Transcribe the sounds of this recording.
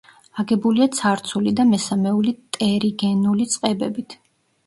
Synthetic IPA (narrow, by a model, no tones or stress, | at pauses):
aɡɛbuliat̪sʰaɾt̪sʰulid̪amɛsamɛulit̪ʼɛɾiɡɛnulit̪sʼqʼɛbɛbit̪ʰ